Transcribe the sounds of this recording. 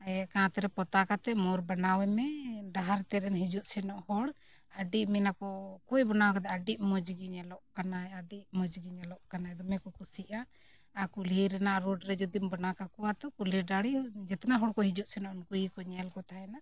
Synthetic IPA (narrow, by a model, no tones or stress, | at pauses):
ɛkãt̪ɛɾɛpɔt̪akat̪ɛmɔɾbanawɛmɛɖaɦaɾt̪ɛɾɛnɦid͡ʒuʔ̪sɛnɔʔhɔɽ | əɖiʔmɛnakɔkujbɔnawakat̪ɛəɖiʔmɔd͡ʒɡiɲɛlɔʔkanaaɖiʔmɔd͡ʒɡiɲɛlɔʔkanaɛd̪ɔmɛkɔkusiʔa | akuliɾɛnaʔɾɔɖɾɛd͡ʒud̪imbanakakuwat̪ɔkuliɖaɽid͡ʒɛt̪ɛnaɦɔɽkɔɦid͡ʒuʔ̪sɛnɔʔunkujikɔɲalkɔt̪ʰaɛna